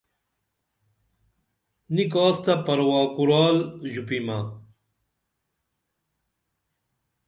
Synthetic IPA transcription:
nikaːst̪ɐpɐɾwaːkuɾaːlʑupimɐ

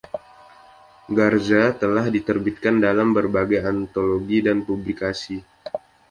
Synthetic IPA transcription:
ɡard͡ʒat̪əlahdit̪ərbit̪̚kandalambərbaɡajant̪oloɡidanpublikasi

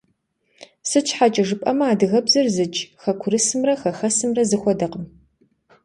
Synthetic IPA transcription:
sɨt͡ʃʰʼħat͡ʃʼɐʒɨpʼɐmɐaːdɨɣɐbzɐrzɨt͡ʃʼxɐkʷʰʊɾɨsɨmrɐxɐxɐsɨmrɐzɨxʷɔdɐqəm

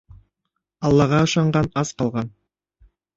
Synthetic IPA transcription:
ɑlˠːɑʁɑɤ̆ʃɑɴɢɑnɑsqɑlˠʁɑn

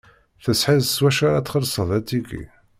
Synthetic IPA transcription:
θəsħiðswæʃaɾat̪ːχəlsˤəðˤæt̪ːiɡḭ

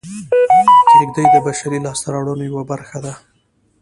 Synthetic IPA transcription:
tɪɡd̪ajd̪əbaʃaɾilɑst̪aɾawɽənojawabaɾxad̪a

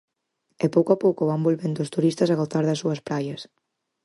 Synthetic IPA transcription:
epowkoɐpowkoβambolβend̪ost̪uɾist̪ɐsɐɣoθaɾðɐsuɐspɾajɐs

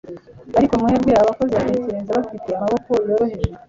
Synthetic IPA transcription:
βaɾikomuheɾɡweaβako̞ziamiseɾeːnzeβafiteamaβokoɾjeɾo̞ɦe̞ʒe

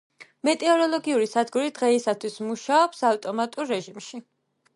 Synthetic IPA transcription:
mɛt̪ʼɛɔɾɔlˠɔɡiuɾisad̪ɡuɾid̪̥ʁɛisat̪ʰwismuʃaɔpsaft̪ʼɔmat̪ʼuɾːɛʒimʃi

